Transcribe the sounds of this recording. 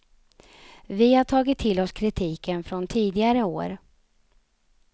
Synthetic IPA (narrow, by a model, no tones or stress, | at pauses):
vɪhaʈʰɑːɡɪt̪ʰːɪlɔskʰɾɪt̪ʰiːkənfɾɔnt̪ʰiːd̪ɪɡaɾəo̰ːɾ